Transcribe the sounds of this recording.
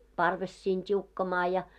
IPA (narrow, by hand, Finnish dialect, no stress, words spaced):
pɑrʋes siːn tʲiukːɑmɑː jɑ